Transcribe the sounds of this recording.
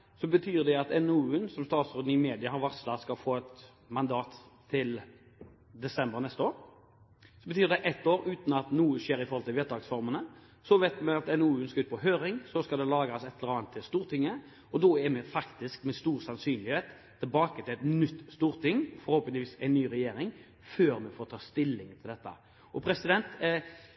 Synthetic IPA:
sɔbət̪ʰyːʁd̪ɛɑt̪ɛnʉnsɔmst̪ɑːt̪sɾʉːd̪n̩ɪmeːd̪ɪəhɑɾʋɑʁslɑskɑlfoːɛt̪ | mɑnd̪ɑːt̪ʰː | ɪl | d̪ɛsɛmbəɾnɛst̪əoːɾ | sɔbət̪ʰyːʁd̪ɛʔɛt̪ːoːɾʉːt̪n̩ɑt̪nuːəʃeːɾɪfɔɾhɔlt̪ɪʋeːt̪d̪ɑːɡsfɔʁmənə | sɔʋɛt̪mɛɑt̪ɛnuːnskɑʉːt̪̚pʰɔɦøːɾɪŋsɔskɑld̪ɛlɑːɡɑsɛt̪ʰːləɾɑːnt̪ʰːɪlst̪uːɾt̪ʰɪŋːə | ɔd̪oɛmɛfɑkt̪ɪskmɛst̪uːɾsɑnsyːnlɪheːt̪ʰː | ɪlbɑːkət̪ʰɪlɛt̪nʏt̪ːst̪uːʁt̪ɪŋːfɔɾhɔːpənɪʋiːsɛɪnːyːɾɛjeːɾɪŋ | føːɾmɛfoːɾt̪ʰɑːst̪ɪlːɪŋt̪ʰɪld̪ɛt̪ːə̰ | ɔpʰɾɛsɪd̪ɛnt̪

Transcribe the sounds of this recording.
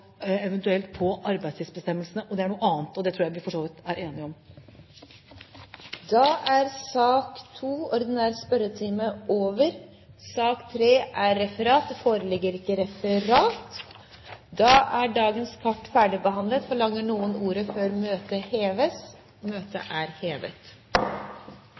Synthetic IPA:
ɛʋənt̪ʉɛlt̪̚pʰɔʔɑɾbæɪd̪sɪsbəst̪ɛmːəlsənəʔɔd̪ɛæɳuːəɑːnt̪ɔd̪ɛt̪ʰɾuːjæɪʋɪfɔʂoːʋɪt̪æɾeːnɪɔm | d̪ɑʔæɾsɑːkt̪ʰuːɔɾd̪ɪnæːɾəspœɾət̪ʰiːməʔoːʋəɾ | sɑːkt̪ʰɾeːʔæɾːɛfəɾɑːt̪foːɾəlɪɡːəɾɪkːəɾɛfəɾɑːt̪ | d̪ɑːʔæɖɑːɡənskʰɑʈːfæːɖɪbəhɑnd̪lət̪fɔɭɑŋːəɳuːənuːɾəføːɾmøːt̪əheːʋəs | møːt̪ə̰ʔæɾheːʋə̰t̪

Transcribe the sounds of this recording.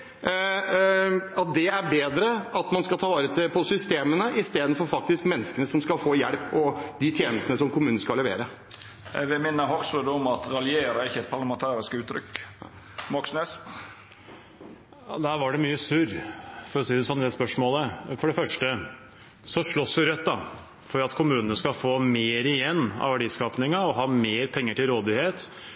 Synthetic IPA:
ɑt̪̚d̪ɛæɾbeːd̪ɾəɑt̪mɑnskɑlt̪ʰɑːʋɑːɾət̪ʰɪpʰɔsʏst̪eːmənəʔɪst̪eːd̪ən̩fɔɾfɑk̚t̪ɪskmɛnːəskənəsɔmskɑlfoːjæɽpɔd̪ɪt̪ʰjeːnəst̪nəsɔmkʊmʉːəskɑlɛʋḛːɾə | ɛ̰ɡʋɪlmɪnːəɦɔksəd̪əɔmɑt̪ɾɑljeːɾəɾɪçːəɛt̪̚pʰɑɾlɑmɛnt̪ʰɑːɾɪskʉːt̪ʰːɾʏ̰k | mɑksneːs | ɑ̰ːd̪æɾʋɑɖɛmyːəsʉɾfɔɾɔsiːd̪əsɔnːd̪ɛspœʂmoːləfɔɖɛfœʂʈə | sɔʂɭɔsjʊɾɛt̪̚ːd̪ɑ | fɔɾɑt̪kʰʊmʉːnənəskɑfoːmeːɾɪjɛnːɑ̰ʋæɖiːskɑːpnɪŋɑɔɦɑːmeːɾpʰɛŋːəʈɪlɾoːd̪ɪheːt̪

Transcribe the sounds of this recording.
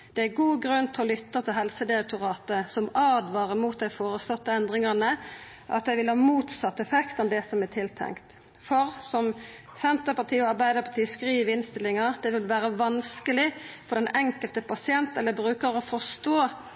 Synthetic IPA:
d̪̥ɛæɡuːɡɾʉnt̪ʰɪɔlʏt̪ːət̪ʰɪlɦɛlsəd̪ɪɾɛk̚t̪ʊɾɑːt̪əsɔmɑːd̪ʋɑːʁəmuːt̪̚d̪æɪfoːɾəslɔt̪ːəɛnd̪ʁɪŋɑʁnəʔɑ̰t̪jæɪʋɪlhɑːmuːt̪sɑt̪ːɛfɛkt̪ɔmd̪ɛsɔmæt̪ʰɪlt̪ʰɛ̰ŋkt̪ | fɔʁsɔm | sɛnt̪əpɑt̪ʰiːɔɑɾbæɪd̪əpʰɑt̪ʰiːskɾiːʋəɪnst̪ɪlɪŋɑd̪̥ɛʋɪlʋæːɾəʋɑnskəlɪfɔd̪ɛnʔɛŋkəlt̪əpʰɑsɪɛnt̪ɛlːəbɾʉːkəɾɔfɔst̪oː

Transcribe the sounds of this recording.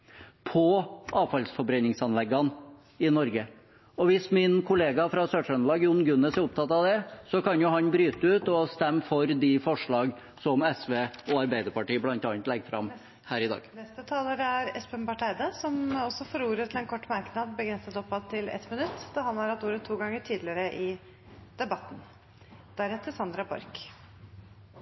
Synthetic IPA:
pʰɔʔɑːʋfɑlsfɔɾbɾɛnɪŋsɑnlɛɡːɑn | ɪnɔɾɡə | ɔʋɪsmɪnkʰʊleːɡɑfɾɑsøːʂœnlɑːɡjʊnɡʉnəsæɾʊpt̪ʰɑt̪ɑʋd̪ɛsɔkɑnjʊɦɑnbɾyːt̪əʉːt̪ɔst̪ɛmːfɔɾd̪ɪfɔʂɭɑːɡ | sɔmɛsʋeːɔɑɾbæɪd̪əɾpɑʈiːblɑnt̪ɑːnt̪lɛɡːfɾɑ̰m | hæːɾɪd̪ɑ̰ːɡ̥nɛst̪ət̪ʰɑːləɾæɾɛspəmpɑʈʰæɪd̪əsɔmɔsɔfoːɾuːɾət̪ʰɪlɛnkʰɔʈːmɑɾknɑd̪̚bəɡɾɛnsət̪ɔpːɑt̪ʰɪlɛ̰t̪ːmɪnʉt̪ːd̪̥ɑhɑnæɾɛt̪uːɾət̪ʰːuːɡɑŋːəʈʰiːd̪lɪəɾəʔɪ | d̪̥ɛbɑt̪ːn̩ | d̪̥æɾɛt̪ːəsɑnd̪ɾɑbɔ̰ɾk

